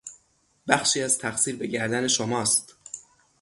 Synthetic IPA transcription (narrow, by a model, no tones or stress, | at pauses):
bæxʃiːæzt̪ʰæxsiːɾbe̞ɟæɾd̪æne̞ʃomɒːst̪